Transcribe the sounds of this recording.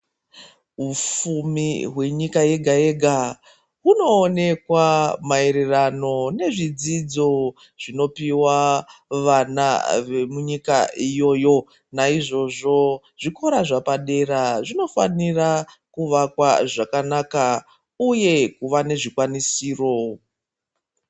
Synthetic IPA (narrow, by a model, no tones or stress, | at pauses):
ɦufumiɦwe̞ɲikaje̞ɡʱaeɡʱa | ɦuno̞ːne̞kwamae̞ɾe̞rano̞ne̞ʐid͡zid͡zo̞ | ʐ̥ino̞piwaʋana̰ʋemuɲikaʔijo̞ːjo̞ | naiʐo̞ʐo̞ | ʐ̥iko̞ɾaʐapaɗe̞ɾaʐino̞fanira | kuʋakwaʐakanaka | uje̞kuʋane̞ʐikwanisiːro̞